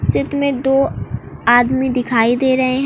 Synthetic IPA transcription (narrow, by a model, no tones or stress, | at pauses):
st͡ʃɪt̪mẽd̪oːaːd̪mid̪ɪkʰaːid̪eːɾɐɦeɦ